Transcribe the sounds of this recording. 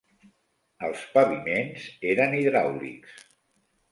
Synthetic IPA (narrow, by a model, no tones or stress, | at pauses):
əlˠspəβimenzeɾəniðɾawlḭks